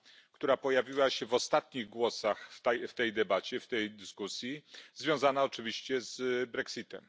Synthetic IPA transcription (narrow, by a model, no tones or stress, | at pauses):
kt̪uɾapɔjavʲiwaɕɛvɔst̪at̪ɲiɣɡwɔsaxft̪ɛjft̪ɛjd̪ɛbat͡ɕɛft̪ɛjd̪ɘskusʲjizvʲjɔ̃w̃zanaɔt͡ʂɘvʲiɕt͡ɕɛzbɾɛksit̪ɛ̰m